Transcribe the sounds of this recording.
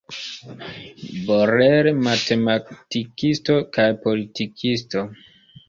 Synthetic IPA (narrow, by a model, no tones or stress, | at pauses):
boɾeɾmatematikisto̞kajpolitikʰisto̞